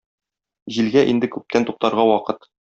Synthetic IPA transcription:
ʑilɡæʔind̪ɘkʉp̚t̪ænt̪uq̚t̪ɑɾʁɑwɒqɤt̪

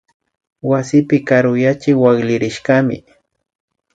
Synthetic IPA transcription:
wasɪpɪkaɾʊjat͡ʃɪwaɡlɪɾɪʃkamɪ̰

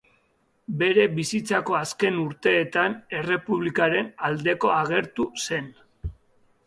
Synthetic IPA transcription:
be̞ɾe̞βisit͡sako̞aske̞nuɾt̪e̞ːt̪ane̞re̞puβlikaɾe̞nald̪e̞ko̞aɣ̞e̞ɾt̪use̞n

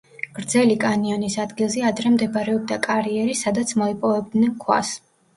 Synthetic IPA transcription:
ɡ̥ɾd̪zɛlikʼaniɔnisad̪ɡilˠzɛad̪ɾɛmd̪ɛbɾɛɔb̚d̪akʼaɾiɛɾisad̪at̪sʰmɔipʼɔvɛb̚d̪nɛnkʰwa̰s

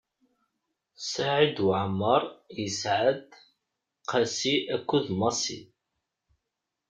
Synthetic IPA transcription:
saʕid̪ʕəmːəɾˤjəsʕəd̪ | qʰasiækʷːuðmɑsḭ

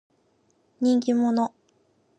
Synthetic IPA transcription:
ɲʲĩŋk̬ʲimo̞no

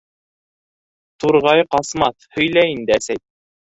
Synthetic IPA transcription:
t̪uɾʁɑjqɑsmɑθhɵ̆jlæjind̪ɘæsæj̚

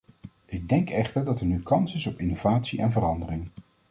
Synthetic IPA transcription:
ʔɪɡ̚dɛŋkɛχtəɹdɑtɛɹnykɑnsɪsɔpɪnov̥aːtsiʔɛnvərɑndərɪŋ

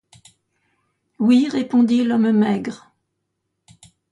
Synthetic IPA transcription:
wiʁepɔ̃d̪ilɔmmɛɡʁ

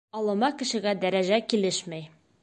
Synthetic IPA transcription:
ɒlˠɤ̆mɑkɘ̆ʃɘ̆ɡæd̪æɾæʑækilɘʃmæj

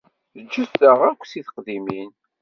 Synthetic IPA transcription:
əd͡ʒːəstəʁækʷːsiθə̥qðimin

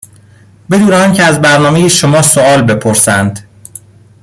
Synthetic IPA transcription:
be̞d̪uːnɛɒːŋcʰeæzbæɾnɒːme̞jiʃomɒːsoɒːlbe̞pʰoɾsænd̪

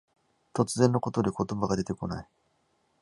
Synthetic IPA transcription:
t̪ot͡sɨzẽ̞nːo̞ko̞t̪od̪eko̞t̪o̞baɡad̪e̞t̪e̞ko̞nai

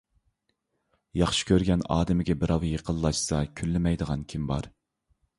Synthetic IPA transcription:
jɑχʃi̥kʲʰøɾɡʲɛnɑ̰ːd̪ɪmɪɡʲɛbɪɾɑwjeqʰəlˠːɑʃsɑkʲʰylːɪmɛjd̪əʁɑnkʲʰimbɑ̰ɾ

